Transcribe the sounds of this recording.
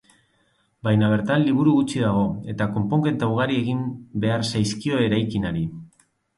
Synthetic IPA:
bajnaβ̞e̞ɾt̪anliβ̞uɾuɣut͡ʃiðaɣo̞e̞t̪ako̞mpo̞ŋɡe̞nt̪awɣaɾie̞ɣimbe̞aɾsajskio̞e̞ɾajkinaɾi

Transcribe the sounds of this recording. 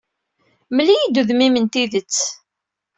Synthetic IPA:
məlːijid̪uðmimənt̪iðət͡sː

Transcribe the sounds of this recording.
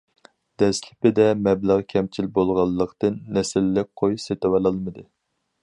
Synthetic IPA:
d̪̥ɛslʲʰɪpɪd̪ɛmɛbləʁkʲʰɛmt͡ʃʰilbolˠʁɑlˠːəqt̪ɨnːɛsɪlːɪk̚ʲqʰojset̪wɑlˠɑlˠmɨd̪ɨ

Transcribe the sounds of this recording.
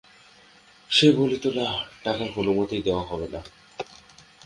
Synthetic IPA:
ʃebolit̪olaʈakaɾɦonumot̪ijd̪eoaɦɔbena

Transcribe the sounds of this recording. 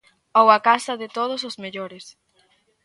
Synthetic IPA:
owɐkasɐðɪt̪oð̞ʊs̬ozmeʎoɾɪs

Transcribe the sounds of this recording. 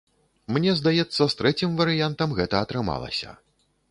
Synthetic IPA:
mnʲɛzd̪ajɛt̪sːɐst̪ɾɛt͡sʲimvɐɾɨjant̪ɐmɣɛt̪ɐːt̪ɾɨma̰lˠɐ̰sʲɐ̰

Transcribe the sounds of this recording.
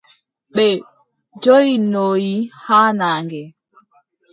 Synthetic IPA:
ɓɛ | d͡ʒɔjinoːjihaːnaːŋɡɛ

